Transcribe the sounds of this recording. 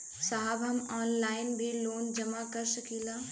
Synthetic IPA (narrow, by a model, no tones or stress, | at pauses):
saɦabɐmɔːnlaːɪnbʱiloːnd͡ʒɐmakɐɾsɐkiːlaː